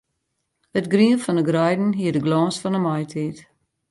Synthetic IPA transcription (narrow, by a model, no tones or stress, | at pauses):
ətɡriənfɔnəɡrɑjdn̩ɦiədəɡlɑːnsfɔnəmajtʰit